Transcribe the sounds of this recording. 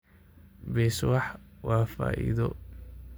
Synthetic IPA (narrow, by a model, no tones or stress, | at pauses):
bɛːswɑħwaːfa̰ːʔḭðɔ